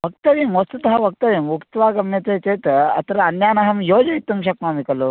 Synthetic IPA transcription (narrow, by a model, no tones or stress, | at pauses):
ʋɐk̚tt̪ɐʋimʋɐst̪ut̪ɦaʋɐk̚t̪ɐʋiːmʋukt̪ʋaːɡɐmjɐt̪et͡set̪əɐ̰t̪ɾɐɐnjaːnɐɦɐmjoːd͡ʒɐit̪umɕɐkmaːmikɐlo